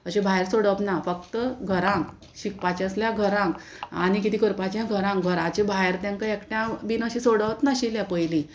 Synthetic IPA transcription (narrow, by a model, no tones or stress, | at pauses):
əɕẽbʱaɦeɾsoɽəʋt̪nafək̚t̪əɡʱəɾãŋk | ɕik̚pat͡ɕãsljãɡʱəɾãŋk | anik̬it̪iːkəɾpat͡ɕjãɡʱəɾãŋkɡʱəɾat͡ɕẽbʱaɦeɾt̪jãŋkaekʈjãʋinəɕĩsoɽəʋt̪naɕiljãpəjlĩ